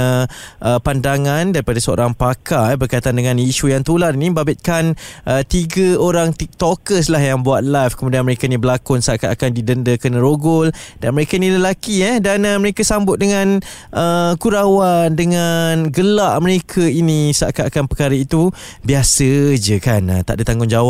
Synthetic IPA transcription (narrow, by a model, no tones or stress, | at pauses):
əʔəpandaŋandaɾipadasəo̰ɾaŋpakaɛbərkajt̪andəŋãniʃujaŋt̪ulaɾinĩbabɪt̪̚kanʔət̪iɡəoɾaŋt̪it̪okəslaɦjaŋbuat̪̚lajfkəmũdianməɾekainibəlakʊnsaʔka̰ʔkandidəndəkənəɾoɡʊldanməɾekainĩləlakiɛdanəməɾekasambʊt̪̚dəŋan | ʔəkuɾawandəŋanɡəlaʔməɾekʰainisa̰ʔkaʔkanpəkaɾəit̪u | biasəd͡ʒəkanə̰t̪aʔdət̪aŋɡʊŋd͡ʒawa